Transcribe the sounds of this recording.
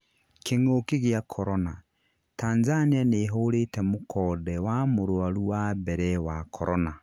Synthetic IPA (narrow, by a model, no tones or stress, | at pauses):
kʰeŋokeɣeakʰɔɾɔna | taːnzanianeɦoɾetɛmokʰɔːdɛwamoɾoaɾuwabɛɾɛwakʰɔɾʔɔna